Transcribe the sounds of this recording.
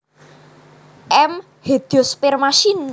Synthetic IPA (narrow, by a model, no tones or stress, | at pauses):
ʔɛm | hed̪̥iospɪrmaʃin